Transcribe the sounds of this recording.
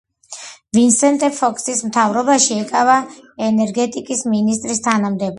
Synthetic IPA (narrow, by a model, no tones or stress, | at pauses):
vinsɛnt̪ʼɛɾpʰɔkʰʼsismt̪ʰavɾɔbaʃiɛkʼavaɛnɛɾɡɛt̪ʼikʼisminis̬t̪ʼɾist̪ʰanamd̪ɛb